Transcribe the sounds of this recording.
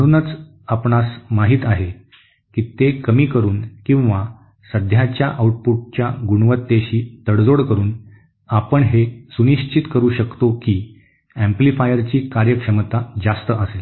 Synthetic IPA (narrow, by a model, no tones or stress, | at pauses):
əɽ̃uːnət͡s | apɳasmaɦiːt̪aɦe | kiːt̪ekəmiːkəɾuːnkĩw̃ʋa | səd̪ʱjat͡ɕjaʔauʈ̚puʈ̚t͡ɕjaɡuɽʋət̪ːeɕiːt̪əɽd͡zoɽkəɾuːn | apəɳɦesuniɕt͡ɕit̪kəɾuːɕəkt̪okiː | æ̃mplifajəɾt͡ɕiːkaɾjəkʂəmt̪ad͡zast̪əəsel